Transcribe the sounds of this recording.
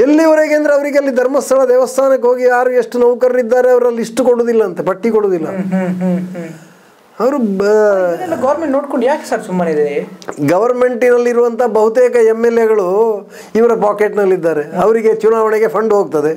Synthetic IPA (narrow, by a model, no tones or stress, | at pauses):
elːiʋɐɾeɡeɐnd̪ɐɾeɐʋɐɾiɡeɐlːid̪ʱɐɾmɐst̪ʰɐɭɐd̪ɛːʋɐst̪ʰaːnɐkːeɦoːɡijaːɾueʂʈːunɐʋkɐɾɾid̪ːaːɾeɐʋɐɾɐliʂʈukoɽoːd̪ilːɐːnt̪epɐʈːikoɽoːd̪ilːɐɦ | ɐʋɐɾu | ɛlːɐɡɐʋɐɾmeɳʈnoːɽkoɳɖjaːkesaɾsumːɐned̪eɾeɡɐʋɐɾme̞ɳʈinɐlːiɾuʋɐnt̪ʰɐabɐɦut̪eːkɐemːelːeɡɐɭu | iʋɐɾɐpaːkeʈnɐlːid̪ːaːɾeɐʋɐɾiɡe̞t͡ʃunaːʋɐɳeɡe̞pʰɐɳɖɦoːɡ̚t̪ɐd̪e̞